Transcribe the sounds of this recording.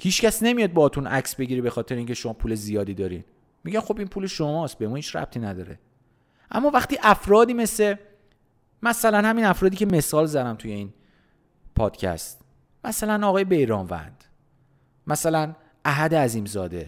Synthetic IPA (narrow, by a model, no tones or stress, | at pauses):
hiːt͡ʃcæsne̞mijɒːd̪̚bɒːt̪ʰunʔæcsbe̞ɟiːɾebe̞xɒːt̪ʰe̞ɾeiŋcʰe̞ʃo̞mɒːpʰuːle̞zijɒːd̪iːd̪ɒːɾḭn | miɟænxo̞binpʰuːleʃomɒːst̪̚bemuhiːt͡ʃɾæ̰b̥̚t̪ʰiːnæd̪ɒ̰ːɾḛ | ʔæ̰mːɒːvæχt̪iːʔæfɾɒːd̪iːme̞se | mæsælænhæminæfɾɒːd̪iːcʰeme̞sɒːlzæd̪æmt̪ʰuje̞in | pʰɒːd̪̥cʰæ̰st̪ | mæsælænɒɣɒːjebe̞jɾɒːmvæ̰nd̪̥ | mæsælæn | æɦæd̪eæziːmzɒːd̪e̞̰